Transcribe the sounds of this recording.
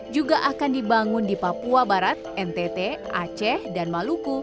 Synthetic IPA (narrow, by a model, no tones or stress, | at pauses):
d͡ʒuɡaʔakandibaŋʊndipapuabaɾat̪̚ɛnt̪ɛt̪eʔa̰t͡ʃɛhdanmaluku